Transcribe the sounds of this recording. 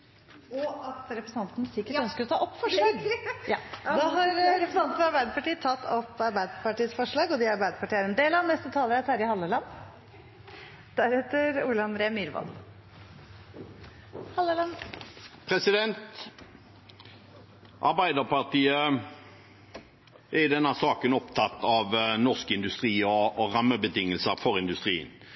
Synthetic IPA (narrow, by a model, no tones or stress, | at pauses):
ɔɑt̪ɾɛpɾəsn̩ʰɑnt̪n̩sɪkːəœnskəɾɔt̪ʰɑːʔɔpːfɔʂɭɑːɡjɑːd̪ɑɦɑɾɾɛpɾəsɑt̪n̩fɔɾɑɾbæɪd̪əpɑʈiːət̪ʰɑt̪ːɔpːɑɾbæɪd̪əpɑʈiːsfɔʂɭɑːɡɔd̪iɑɾbæɪd̪əpʰɑʈiːəɾɛmd̪eːlɑʋnɛst̪ət̪ʰɑːləɾæt̪ʰæːɾɪhɑlːəlɑn | d̪̥æɾɛt̪əɾuːləɑnd̪ɾeːəmyːɾʋɑ̰l | hɑlːəlɑnpʰɾɛsɪd̪ɛnt̪ | ʔɑɾbæɪd̪əpɑʁʈ̪iːə | ɛɪd̪ɛnːəsɑːkənɔpt̪ʰɑt̪ːɑʋnɔʁskəɪnd̪ʉst̪ʁiːɔːʁɑmːəbət̪ʰɪŋːəlsəɾfɔʁɪnd̪ʉst̪ʁḭːə̰n